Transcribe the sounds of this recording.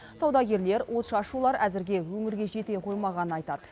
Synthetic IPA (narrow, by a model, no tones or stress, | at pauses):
sɑwd̪ɑkʲe̞ɾle̞ɾwʔo̞t̪ʃɑʃulˠɑɾæzɪɾɡʲe̞wɵŋɪɾɡʲe̞ʒe̞t̪e̞qʰo̞jmɑʁɑnənɑjt̪ɑd̪ə